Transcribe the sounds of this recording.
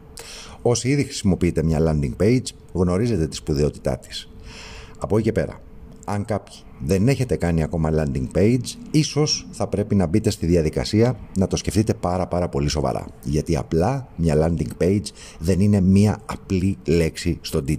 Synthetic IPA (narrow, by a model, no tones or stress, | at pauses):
o̞siiðixɾi̥simo̞piit̪e̞mɲɐlɐnd̪iŋɡpe̞jd͡z | ɣno̞ɾize̞t̪e̞t̪i̥spuðeo̞t̪i̥t̪ɐ̰t̪i̥s | ɐpo̞ice̞pe̞̰ɾɐ̰ | ɐŋkɐpçi̥ðe̞ne̞çe̞t̪e̞kɐniɐko̞mɐlɐnd̪iŋɡpe̞jd͡ziso̞sθɐpɾe̞pinɐbit̪e̞st̪iðiɐðikɐ̰siɐnɐt̪o̞sce̞ft̪it̪e̞pɐɾɐpɐɾɐpo̞liso̞vɐ̰ɾʔɐ̰ʝɐt̪iɐ̰plɐmɲɐlɐnd̪iŋɡpe̞jd͡z | ðe̞nine̞miɐɐplile̞ksist̪o̞d̪i